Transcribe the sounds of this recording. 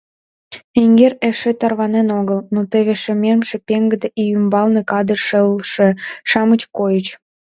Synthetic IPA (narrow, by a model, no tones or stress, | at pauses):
eŋɡereʃet̪ɑrβɑnenoɣəlnot̪eβeʃememʃĕpeŋɡəd̪eʔijymbɑlnekɑd̪ərʃəlʃeʃɑmət͡ɕkojət͡ɕ